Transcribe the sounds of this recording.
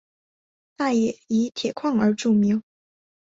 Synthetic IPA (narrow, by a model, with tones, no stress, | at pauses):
t̪a˥˩jɛ˨˩˦i˧˥t̪ʰjɛ˨˩kʰwɑ˥˩ŋə˞˧˥ʈ͡ʂu˥˩mi˧˥ŋ